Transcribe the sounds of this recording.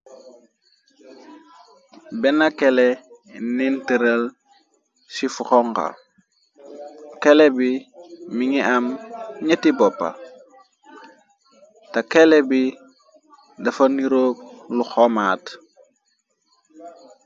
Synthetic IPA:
bɛnakɛlɛ | nɛntəɾɐl | sifuxɔŋka̰ | kɛlɛbimiŋiʔɐmɲetibɔpːa̰ | tɐkɛlɛbi | dɐfɐniɾoːk̚luxɔmaːt

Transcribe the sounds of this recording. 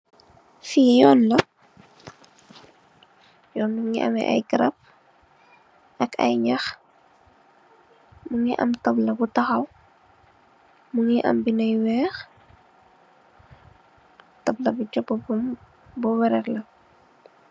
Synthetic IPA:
fiːjɔːnlɐ | jɔːnːuŋiʔɐ̰mɛ̰ʔɐ̰jɡəɾɐp̚ | ʔɐkɐ̰jɲɐx | muŋiʔɐ̰mtɐblɐbutɐxɐw | muŋiʔɐ̰mbinɐjwɛːx | tɐblɐbuɟɔpːbm | buwɛɾɛrlɐ

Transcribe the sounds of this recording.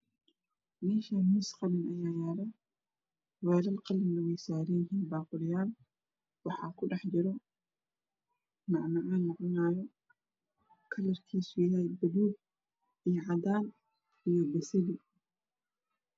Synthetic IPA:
mɛːʃamisqɑlɪnʔɐjaːjaːɾɛ | wɛːlɐlqɑlɪnɐwɛjsaːɾɪjɪɦiːnbaːqʊlɪjaːl | wɑħɑːkʰʊɖɑħd͡ʒɪɾɔ | nɑʕnɐʕaːnːɑʕɔnaːjɔ | kʰɐlɐrkʰiːsʊjɪlajbɐðuːb̚ | ijɔʕɑd̪aːn | ijɔbɛsɪli

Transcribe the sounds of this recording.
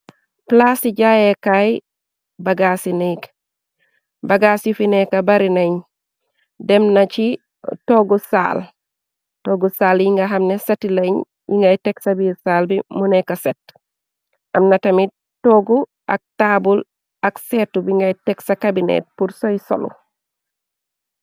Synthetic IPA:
plasiɟajekaj | baɡasinik | baɡasifinekabaɾineɲ | demnat͡ʃi | toɡusa̰ːl | toːɡusaːljiŋɡaɦamnesatileɲ | jḭŋɡajteksabisaːlbimunekaset | ʔamnatɐmi | toɡu | ʔak̚tabul | aksetubiŋɡajteksakabinḛt̚puɾsojso̰lṵ

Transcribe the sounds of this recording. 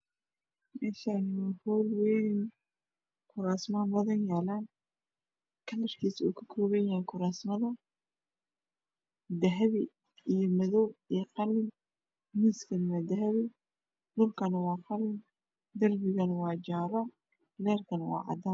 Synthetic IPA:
mɛːʃaːnwhɔːlwɛjnɪn | kʰʊɾaːsmaːmbɐðɐnjaːlaːn | kʰɐnɐrkʰiːsɔ̰ːkʰɐ̥kʰɔːβɛjaːŋkʰʊɾaːsmɐðɐ | d̪ɐɦɐβɪ | ijɔmɐðɔwɛqɑlɪn | miːskʰɐnwad̪ɐɦɐβɪ | dʊlkʰɐnɐwɑːqɑlɪn | d̪ɐrbɪɣɐnwɑːd͡ʒaːɾɔ | lɛːrkʰɐnwɑ̰ːʕɑ̰d̪an

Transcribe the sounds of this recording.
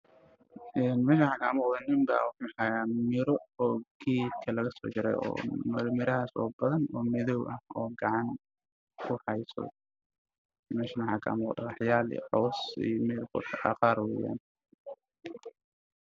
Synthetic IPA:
ɛːnmɛːʃaħakʰɐːmuːqðɐnɪmbɐ̰wɑħaħaːjamɪɾɔɔːɡ̥iːdkʰɐlɐɣɐsɔ̰ːt͡ʃɪɾɛ̰jɔ̰ːmɪɾmɪɾɐɦaːsɔ̰ːbɐðɐnɔːmɪðɔwʔɐhɔːɡɑʕɑn | kʰʊħɑjsɔ̰ | mɛːʃɐnwħɑkʰɐ̰ʔɑ̰muːqd̪ɐ̰qɑħjaːl̰ħɔwsḭjmɛlqʊ̰ɑ̰qɑːɾwɛːja̰ːn

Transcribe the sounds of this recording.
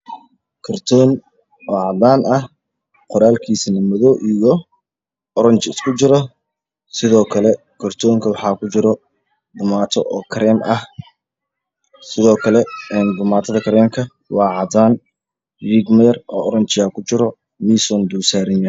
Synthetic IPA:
kʰɐrt̪ʰɔːn | ɔːʕɑd̪aːnɐh | qʊɾaːlkʰiːsnɐmɔðɔʔijɔ | ɔɾɐnt͡ʃɪskʰʊt͡ʃɪɾɔ | sɪðɔːkʰɐlɛ | kʰɐrt̪ʰɔːŋkʰɐwɑħɑːkʰʊt͡ʃɪɾɔ | d̪ʊmaːt̪ʰɔʔɔːkʰɐɾɛːmʔɐh | sɪðɔːkʰɐlɛɛːnd̪ʊmaːt̪ʰɐðɐkʰɐɾɛːmkʰɐ | wɑːʕɑd̪aːn | riːɡmɛjɐrɔːɔɾɐnt͡ʃɪaːkʰʊt͡ʃɪɾɔ | misɔnd̪uːsaːɾɪnɐ

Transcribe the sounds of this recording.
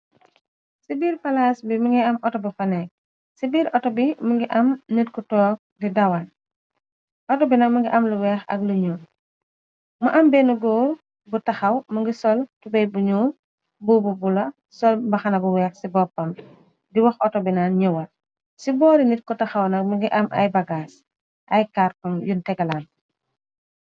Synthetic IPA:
sibiːɾpɐlaːsbimuŋɡiɐmʔɔtɔbɐfɐnɛk̚ | sibiːɾʔɔtɔbimuŋɡiʔɐmnitkɔtɔːk̚didɐwɐn | ʔɔtɔbinɐmɐŋɡiʔɐmluwɛːxɐ̰kluɲu | mɐʔɐmbɛːnuɡɔː | butɐxɐwmɐŋɡisɔltubɛjbuɲuː | bububulɐ | sɔlbɐxɐnɐbuwɛːxsibɔpːɐm | diwɐxʔɔtɔbinaːnɲɛwɐl | sibɔːɾinit̚kɔtɐxɐwnɐk̚mɐŋɡiʔɐmʔɐ̰jbɐɡaːs | ʔɐjkaɾkɔnjuntɛɡɐlaːn

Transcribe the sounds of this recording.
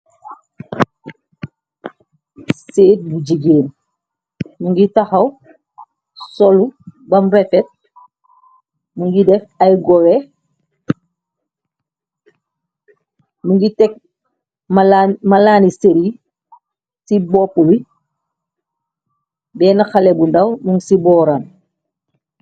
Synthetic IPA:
seːt̚buɟiɡeːn | muŋɡitɐxɐw | sɔlubɐmɾɛfɛt̚ | muŋɡidɛfajɡɔɾɛ | muŋɡitɛk̚ | mlmalaːniseɾi | sibɔpuwi | bɛːnaxalɛbundawmuŋsibɔːɾan

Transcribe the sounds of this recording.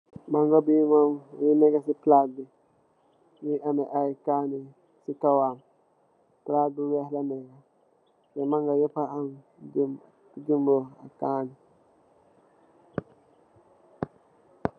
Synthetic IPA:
maŋɡabimajinɛɡasiplabi | niʔamɛʔaikaːnɪ | sikawam | plabiwɛhlanɛɡa | jɛmaŋɡajɛpaan | d͡ʒimboa̰kaːnɪ

